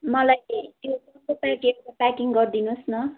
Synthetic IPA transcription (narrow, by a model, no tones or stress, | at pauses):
mʌlajjosʌnpʌpakeʈapakiŋɡʌrd̪inusnʌ